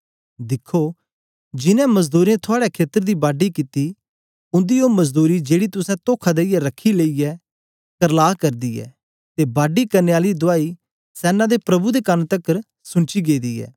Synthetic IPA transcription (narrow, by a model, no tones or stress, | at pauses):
d̪ɪkʰːoː | d͡ʒɪnɛ̃məzd̪uːɾẽt̪ʰʊaːɽɛkʰeːt̪əɾd̪iːbaːɖikɪt̪i | ʊ̃nd̪ijomɐzd̪uːɾid͡ʒeːɽit̪ʊsɛ̃t̪oːkʰad̪eijaɾɐkʰːileːiɛː | kəɾlaːkɐɾd̪iːɛ̰ː | t̪ebaːɖikɐɾneaːlid̪ʊaːi | sɛːnãd̪epɾɐbud̪ekɐnt̪əkːəɾ | sʊ̃ɳt͡ʃiːɡeːd̪iːɛ̰ː